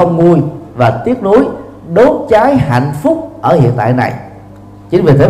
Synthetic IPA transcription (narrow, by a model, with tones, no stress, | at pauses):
ə˧wŋ͡mŋu˧əjvaː˨˩t̪i˦˥ət̚nu˨˦əj | ɗo˨˦nt͡ɕaː˨˦jha̰˧˨jŋ̟fʊ˦˥k͡p̚ʔəː˧˩hḭ˧˨ənt̪a̰ː˧˨jna̰˨˩j | t͡ɕi˨˦ŋ̟vi˨˩t̪ʰe˨˦